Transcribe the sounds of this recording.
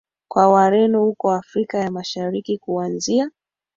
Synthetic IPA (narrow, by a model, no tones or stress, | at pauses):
kwawaɾɛnɔhukɔafɾikajamaʃaɾikikuanzia